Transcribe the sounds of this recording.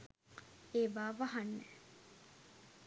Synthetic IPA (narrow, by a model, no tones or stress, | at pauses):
eːʋaːʋɐɦɐnːe